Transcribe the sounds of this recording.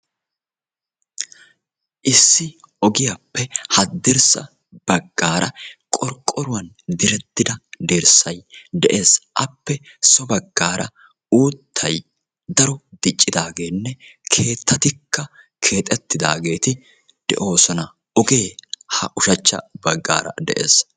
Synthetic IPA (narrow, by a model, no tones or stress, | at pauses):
ʔɪsːɪ | ɔɡɪjapːɛhɐd̪ːɛɾsɐ̰ | b̥ɐɡːaːɾʔɐ̰kʼɔɾkʼːɔɾʊwɐn | d̪ɪɾɛt̪ːɪd̪ɐd̪eɾsɐjd̪ɛʔe̞ːsʔɐpːɛ | sɔbɐɡːaːɾɐ̰ | uːt̪ʰːɐj | d̪ɐɾɔd̪̥ɪt͡ʃʼːɪd̪aːɡe̞ːnːɛkʰe̞ːt̪ːɐt̪ɪkːɐ | kʰe̞ːt̪ʼɛt̪ːɪd̪a̰ːɡe̞ːt̪ɪ | d̪̥ɛ̰ʔo̞ːsɔnɐ | ɔɡe̞ːhɐʔʊʃɐt͡ʃːɐ̰bɐɡːa̰ːɾɐ̰d̪ɛ̰ʔḛːs